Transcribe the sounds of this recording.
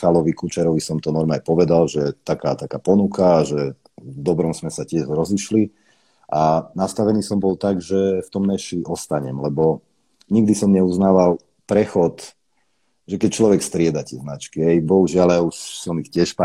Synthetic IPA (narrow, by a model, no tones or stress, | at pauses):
xalɔʋikut͡ʃɛɾɔʋisɔmt̪ɔnɔɾmaajpɔʋɛd̪alʒɛt̪akaːt̪akaːpɔnukʰaːʒɛ | d̪ɔbɾɔmsmɛsacɪɛʒɾɔziʃli | ʔanast̪aʋɛniːsɔmbɔlt̪aɡʒɛft̪ɔmnɛʃliʔɔst̪aɲɛmlɛbɔ | ɲiɡd̪isɔmɲɛuznaːʋal | pɾɛxɔt̪ | ʒɛkɛc̚t͡ʃlɔʋɛkst̪ɾɪɛd̪at̪ɪɛznat͡ʃkiɦɛjbɔɦuʒɪalauʃsɔmixcɪɛʃpa